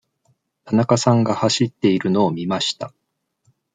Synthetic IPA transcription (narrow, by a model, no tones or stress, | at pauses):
t̪ʰanakasãŋɡahaɕit̪ːe̞iɾɯ̟no̞ːmʲimaɕi̥t̪a